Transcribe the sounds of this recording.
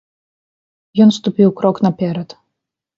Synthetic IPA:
jɔnst̪ʊpʲiwkɾɔknɐpʲɛɾɛt̪

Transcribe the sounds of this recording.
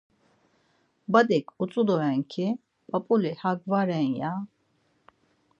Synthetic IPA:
bɐd̪ikʰʼut͡sʼud̪ɔɛŋkʰi | pʼɐpʼulihaɡvaɾɛnja

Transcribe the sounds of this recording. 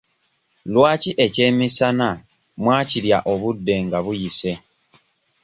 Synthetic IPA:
lwaːciʔe̞ce̞ːmisana | mwaːciɾjaʔo̞βudːe̞ŋɡaβujise̞

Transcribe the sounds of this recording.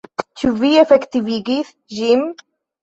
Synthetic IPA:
t̪uviefɛkt̪iviɡiθ | ʒim

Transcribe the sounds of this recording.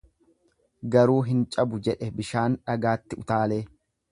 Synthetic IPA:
ɡɐɾuːɦɪnt͡ʃʼɐbʊd͡ʒɛᶑɛbɪʃaːnᶑɐɡaːt̪ːɪʊ̰t̪aːle̞ː

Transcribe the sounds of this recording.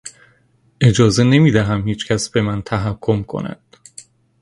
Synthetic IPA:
ʔe̞d͡ʒɒːze̞ne̞miːd̪æɦæmhiːt͡ʃcʰæsb̥e̞mænt̪ʰæɦækʰːo̞mkʰo̰næ̰d̪̥

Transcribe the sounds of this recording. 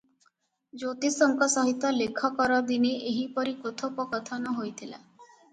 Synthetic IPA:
d͡ʒot̪isɔŋkɔsɔɦit̪ɔlekʰɔkɔɾɔd̪ineʔeɦipɔɾikot̪ʰopɔkɔt̪ʰɔnɔɦojt̪ʰila̰

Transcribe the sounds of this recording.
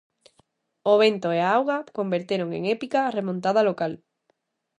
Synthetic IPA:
oβ̞ẽ̞nt̪oeaawɣako̞mbeɾt̪eɾoŋḛŋepikaremõnt̪aðalokal

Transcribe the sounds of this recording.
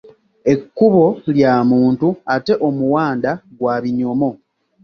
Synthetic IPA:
e̞kːuβo̞ljaːmuːntuate̞ʔo̞muwaːndaɡwaːβiɲomo̞

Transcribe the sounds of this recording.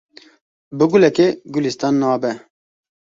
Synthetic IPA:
bɨɡulɛkeɡulist̪ɑːnːaːbɛ

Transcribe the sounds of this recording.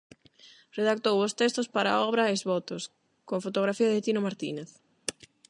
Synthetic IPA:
reðak̚t̪owost̪ɛst̪ospaɾa̰ɔβɾɐezβɔt̪os | koŋfot̪oɣɾafiɐðet̪inomaɾt̪ḭneθ

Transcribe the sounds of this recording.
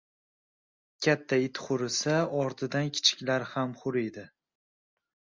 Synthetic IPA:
kʲʰat̪ʰːaɪt̪χʊɾɪsaɒɾt̪ʰɪd̪ankʲʰɪ̥t͡ʃʰɪ̥kʲlaɾhamχʊɾɪjd̪ɪ

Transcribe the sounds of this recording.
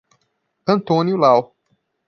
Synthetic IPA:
ɐ̃nt̪õnjulaw

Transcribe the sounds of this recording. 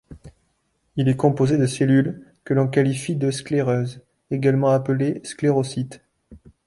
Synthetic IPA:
ilɛkɔ̃pozed̪əselylkəlɔ̃kalifid̪əskleʁøz | eɡalmɑ̃apəleskleʁosit̪

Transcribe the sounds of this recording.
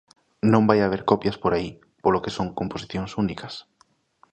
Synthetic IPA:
nõmbajaβ̞eɾkɔpjɐspoɾai | polokesoŋkomposi̥θjõŋsunikɐs

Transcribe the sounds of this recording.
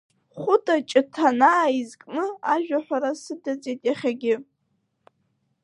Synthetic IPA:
χʷʊtʼat͡ʃʼɪtʰanaːizkʼnɨaʒᶣʷaħʷᶣaɾasɨdad͡zʼejtʼjaχʲaɡʲɪ

